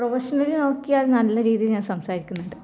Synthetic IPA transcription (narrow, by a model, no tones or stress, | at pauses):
prɐʋɐɕɐnɐɾino̞ːkːijaːlnɐlːɐɾiːðijilɲaːnsɐmsaːɾikʲːunːuɳɖɨ